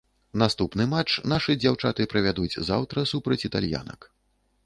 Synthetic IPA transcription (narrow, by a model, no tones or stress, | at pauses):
nast̪upnɨmat͡ʂnaʂɨd͡zʲawt͡ʂat̪ɨpɾɐvʲad̪ud͡zʲza̰wt̪ɾɐsupɾɐt͡sʲit̪alʲja̰nɐ̰k